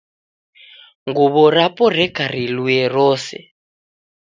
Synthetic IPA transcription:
ŋɡuβɔɾapɔrɛkʰaɾ̤iluɛrɔːsɛ̰

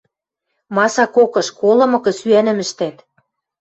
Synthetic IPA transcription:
mɑsɑkokɤ̆ʃkolɤ̆mɤ̆kɤ̆syænɘ̆mɘ̆ʃt̪æt̪

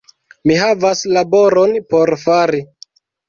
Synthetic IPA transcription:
miɦavaslabo̞ɾo̞npo̞ɾfaɾi

